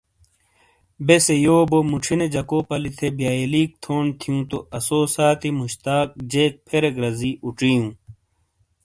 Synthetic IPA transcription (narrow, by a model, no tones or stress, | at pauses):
besejoːbomuʈ͡ʂʰined͡ʑɐkoːpɐlit̪ʰebjaːiliːk̚t̪ʰoːnt̪ʰijũːt̪oʔɐsoːsaːt̪imuɕt̪aːk̚d͡ʑeːk̚pʰeɾeɡɾɐziʔuʈ͡ʂijũː